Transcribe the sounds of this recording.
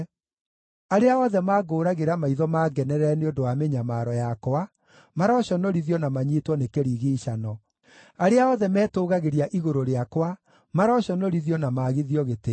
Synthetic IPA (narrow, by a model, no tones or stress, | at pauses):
aɾeaɔðɛmaːɡoːɾaɣeɾamaiðɔmaːɡɛnɛɾɛneondoameɲamaɾɔjakoa | maɾɔɕɔnɔɾiðiɔnamaɲiːtwɔnekeɾiɣiːɕanɔ | aɾeaɔðɛmɛːtoːɣaɣeɾiaʔiɣoɾoɾeakwa | maɾɔɕɔnɔɾiðiɔnamaːɣiðiɔɣete